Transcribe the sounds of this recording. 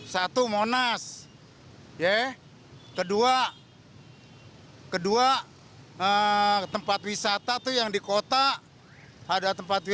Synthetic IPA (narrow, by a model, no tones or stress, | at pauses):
sat̪umonas | jɛ | kədua | kədua | ət̪əmpat̪wisat̪at̪ujaŋdikot̪aʔ | adat̪əmpat̪̚wi